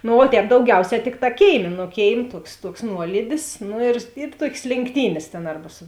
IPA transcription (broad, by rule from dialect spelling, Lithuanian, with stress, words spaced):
noː oː ˈtʲɛːp dɐʊˈɡʲɛʊˌsʲɛː ˈtʲɪkˌtɑː ˈkʲeːɪˌmʲeː nʊ ˈkʲeːɪˌmʲeː ˈtuɔks ˈtuɔks ˈnuɔlʲiːdʲɪs ˈnʊ ɪr ɪ ˈtuɔkʲeːs lʲeːŋkˈtʲiːnʲeːs tʲeːn ˈɐrbɐ sʊ